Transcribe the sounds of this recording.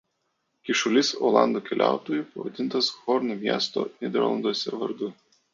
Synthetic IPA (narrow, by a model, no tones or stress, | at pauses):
kʲɪʃʊlʲɪsoːlˠɑ̰ˑnd̪oːkʲɛlʲʔæ̰ˑʊt̪oːjupɐʋɐd̪ʲɪnt̪ɐsxɔɾnumʲiɛst̪o̰ːnʲɛd̪ʲɛ̰ɾlˠɐ̰nd̪oɔsʲɛʋɐ̰ɾd̪ʊ